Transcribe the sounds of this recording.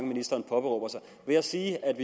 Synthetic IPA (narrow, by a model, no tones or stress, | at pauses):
ŋəminisd̥ɐːnpʰɒ̽b̥eʁɔ̽ːb̥ʁɐsɑ̈ɪ | ʋe̝jɑɪsiːæd̥ʋi